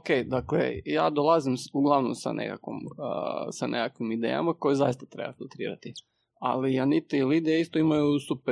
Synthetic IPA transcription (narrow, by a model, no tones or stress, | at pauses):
okejd̪aklḛja̰ːd̪olˠazimuɡlˠaʋnomsa̰nʔḛkakʋom | sanekakʋimid̪ḛja̰mako̞jizajist̪at̪ɾe̞̰ba̰filˠt̪ɾḭːɾat̪i | a̰lianit̪ilid̪ijaist̪oimajusupe